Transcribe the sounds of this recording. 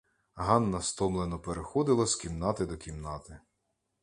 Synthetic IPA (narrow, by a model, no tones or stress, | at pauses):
ɦɑnːɐst̪ɔmlˠenɔpeɾexɔd̪ɪlˠɔskʲimnɑt̪ɪd̪ɔkʲimnɑt̪ɪ